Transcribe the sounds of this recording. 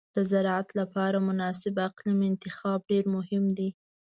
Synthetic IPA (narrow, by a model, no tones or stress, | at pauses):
d̪̥əzaɾat̪lapɑɾamʊnɑsɪbaqlamɪnt̪ɪxɑb̚ɖeɾmʊhɪmd̪i